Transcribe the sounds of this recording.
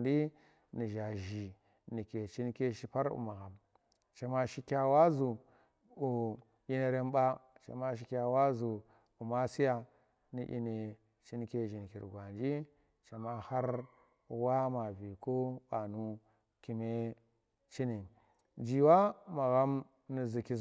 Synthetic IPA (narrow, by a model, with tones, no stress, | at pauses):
ndi˦ | ni˨ʒa˨ʒi˨ | ni˨ke˨t͡ʃi˦n˦ke˦ʃi˦pa˦ɾṵ˨ma˨ɣa˨m | t͡ʃa˨ma˨ʃi˦kʲa˨wa˦zu˨ | u˨ | i˦ne˨ɾe˦m˦ɓa˦t͡ʃa̰˨ma˦ʃ̬i˨˦kʲa˨wa˦zu˨ | u˨ma˦si˦ja˨ | nḭ˨ʔḭ˦ne˨ | t͡ʃi˦nke˦ʒi˨n˨kḭ˨ɾɡʷa˨nd͡ʒi˦ | t͡ʃa˨ma˦ha˦ɾ | wa˦ma˨vi˨ko˦ɓa˨nu˦ | ki˨me˦ | t͡ʃi˦ni˨ | d͡ʒi˨wa˦ma˨ɣa˦m | ni˨zi˨ki˦˨